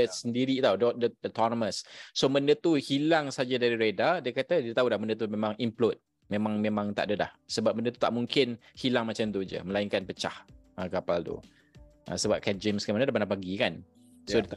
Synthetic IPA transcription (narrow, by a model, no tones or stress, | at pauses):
əsəndiɾit̪awdodəɔt̪ɔnɔməssoməndət̪uhilaŋsad͡ʒadaɾiɾedadiəkat̪ədiət̪aulahməndət̪̬umẽmãŋimplɔt̪̚ | mẽmãŋmẽmãŋt̪aʔdəda̰hsəbap̚mə̃ndət̪u̥t̪a̰ʔmuŋkɪnhilaŋmat͡ʃamt̪ud͡ʒə̰məlaɪŋkanpət͡ʃahʔəkapalt̪ṵ | ʔə̰̃səbap̚kɛd͡ʒəmskanmənadapanapaɡikan | so